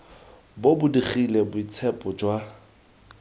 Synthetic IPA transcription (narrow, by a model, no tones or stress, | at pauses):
bobʊdiχilɛbʊit͡sʰɛpʼɔd͡ʒwa